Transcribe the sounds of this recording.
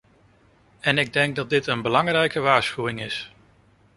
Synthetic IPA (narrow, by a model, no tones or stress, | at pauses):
ɛnɪɡ̚dɛŋɡ̚dɑt̚dɪtənbəlɑŋrɛjkəʋaːɹsχywɪŋɪs